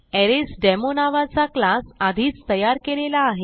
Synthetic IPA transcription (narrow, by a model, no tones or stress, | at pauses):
ɛɾesɖɛmonaʋat͡saklasad̪ʱiːt͡st̪əjaɾkelelaːɦe